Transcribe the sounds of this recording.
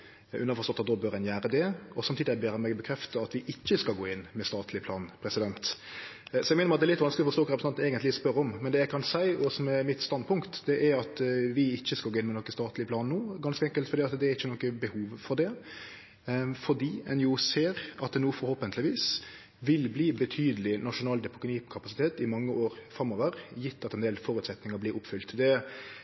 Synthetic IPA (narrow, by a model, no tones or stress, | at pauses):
ʔʉnəɾfɔʁst̪ɔt̪ːɑt̪d̪ɔbœɾɛnjæːɾəd̪ɛɔsɑmt̪iːd̪ɪɛbeːɾɑmɛɡbəkʰɾɛft̪əɑt̪ʋɪʔɪçːəskɑlɡoːɪnːmɛst̪ɑːt̪ʰlɪplɑːnpʰɾɛsɪd̪ɛnt̪ | sɔjɛɪɡmɛnəmɑt̪d̪ɛɾlɪt̪ʋɑnsklɪɔfɔstoːkːɾɛpɾəsɑnɛːɡənt̪lɪspœɾɔmmɛnd̪ɛjæɡkʰɑnsæɪɔsmɛmɪt̪st̪ɑnd̪̚pʰʊŋkt̪d̪ɛʔæɾɑt̪ʋɪɪçːəskɑlɡoːɪnmɛnɔkːəst̪ɑːt̪ʰlɪpʰlɑːnnuːɡɑnskəɛŋkəlt̪fɔɾd̪iːɑt̪d̪ɛæɾɪçːənɔkːəbəhuːʋfɔd̪ɛ | fɔd̪iːɛnjʊseːɾɑt̪̚ɛnuːfɔɾhoːpənt̪əlɪʋiːs | ʋɪlbliːbət̪ʰyːd̪əlɪnɑʂʊnɑːld̪ɛpʰʊkʊniːkʰɑpɑsɪt̪ʰeːt̪ɪmɑŋːəʔoːɾfɾɑmɔʋəɾjɪt̪ːɑt̪ɛnd̪eːlfɔɾʉt̪sɛt̪nɪŋəɾblɪɾʊpːfʏlt̪d̪ɛ